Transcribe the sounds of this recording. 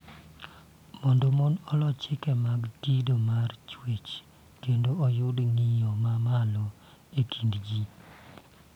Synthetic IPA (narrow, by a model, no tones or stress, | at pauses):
mɔndomɔnɔlɔt͡ʃɪkɛmaɡːidomart͡ʃwet͡ʃ | kendoɔjʊdŋijɔmamalɔ | ekʰindɡi